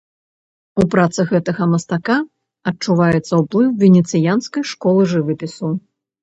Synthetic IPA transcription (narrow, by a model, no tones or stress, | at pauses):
upɾat̪sɐɣɛt̪ɐɣɐmɐst̪aka | ɐt͡ʂuvajɛt̪sːɐwplˠɨwvʲɛnʲɛt̪sɨjanskɐjʂkɔlˠɨʐɨvɨpʲisu